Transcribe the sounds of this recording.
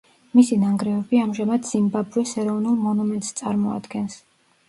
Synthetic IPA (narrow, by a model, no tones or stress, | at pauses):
misinaŋɡɾɛvɛbiamʒamad̪z̥imbabuɾisɛɾɔvnulˠmɔnumɛnt̪st̪sʼaɾmɔa̰d̪ɡɛns